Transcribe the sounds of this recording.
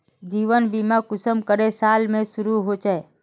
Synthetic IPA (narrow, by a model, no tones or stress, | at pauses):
d͡ʒiʋənbimakʊsəmkəɾesaːlmẽsʊɾuɦot͡ʃae